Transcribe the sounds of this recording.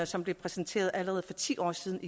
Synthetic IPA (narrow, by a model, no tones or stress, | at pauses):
sɒ̽mb̥le̝pʰʁɛsent͡sʰe̝̰ːɐðˠæləʁɛːð̞̩ˠfɒ̽t͡sʰḭːʔɒ̰ːsiːð̞ˠn̩i